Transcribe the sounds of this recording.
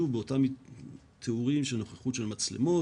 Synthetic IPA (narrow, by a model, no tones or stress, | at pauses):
uvbeotami | t̪ʰeuʁimʃeno̞χeχuʃelmat͡slḛmo